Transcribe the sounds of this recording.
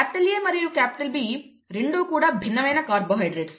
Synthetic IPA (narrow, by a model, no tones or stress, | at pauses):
kæːpɪʈɐljeːmɐɾijukæːpɪ̥ʈɐlbi | ɾɪɳɖuːkuːɽabʱinːɐʋɐjnɐkaːɾboɦɐjɖɾet̪